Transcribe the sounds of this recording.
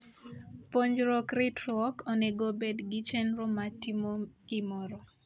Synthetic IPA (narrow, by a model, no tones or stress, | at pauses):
poɲd͡ʒɾɔkrɪtɾɔkɔnɛɡobedɡɪt͡ʃɛnɾɔmatimokɪmɔɾɔ